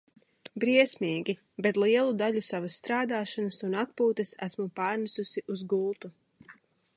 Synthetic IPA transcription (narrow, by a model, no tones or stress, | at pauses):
bɾiɛsʲmiːɡʲi | bɛt̪lˠiɛlˠud̪aʎusavasːt̪ɾaːd̪aːʃanɐsunat̪̚puːt̪ɛsæ̰smupaːɾnisusiʔuzɡulˠt̪u